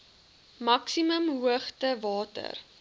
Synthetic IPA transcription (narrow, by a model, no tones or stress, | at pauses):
mɐksiməmɦuəχtəvɑːtə̰r